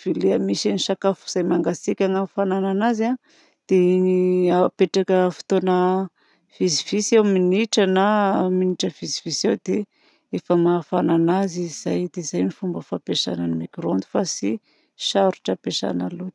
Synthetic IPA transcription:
v̥ileamiʃaniʃakafu̥z̥ajmaŋɡasikʲaŋafanananaza | d̪̥e | apeʈ͡ʂakəfi̥t̪onə | v̥izivisewminiʈ͡ʂənaminiʈ͡ʂəv̥izi̥visewd̪e | efəmafananaziz̥ajd̪ezajmifumbəfapeʃa̰nanimekrond̪u̥fasi | ʃaɾuʈ͡ʂəpeʃa̰na̰lu̥

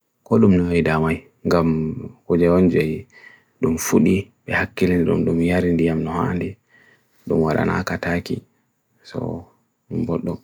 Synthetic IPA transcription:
kɔɗumnɔjdamaj | ŋɡamkud͡ʒɛwond͡ʒɔj | ɗumfuɗiɓɛhakːiliniɗṵmɗumjaɾindijamnɔha̰ndi | ɗumwaɗa̰nʔa̰katakḭ | sɔ̰ | ɗumbɔɗːɔ

